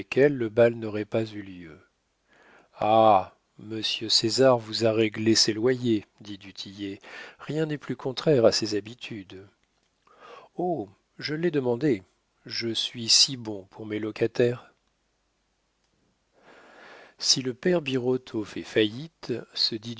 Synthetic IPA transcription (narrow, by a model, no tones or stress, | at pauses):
kʲɛlːəbalnɔʁɛpazyljø | a | məsjøsezaʁvuzaʁeɡleselwajed̪id̪yt̪ʰijeʁjɛ̃nɛplykɔ̃t̪χɛʁasezabit̪ʰyd̪ | o | ʒəlɛd̪əmɑ̃d̪e | ʒəsɥisibɔ̃pʰuʁmelɔkat̪ɛːʁ | siləpɛʁbiʁɔt̪ʰofɛfajit̪səd̪id̪